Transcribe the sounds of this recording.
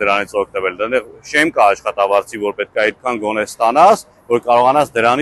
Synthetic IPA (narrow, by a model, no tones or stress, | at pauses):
d̪əɾɑnit͡sʰɔk̚ʰt̪əvɛld̪ɛd̪ɛʁʃɛmkɑːʃχɑt̪ɑvɑɾt͡sʰivɔɾpɛt̪̚kʰɑɑjd̪̚kʰɑnɡɔnɛst̪ɑnɑs | vɔɾkɑɾɔʁɑnɑt͡sʰd̪əɾɑn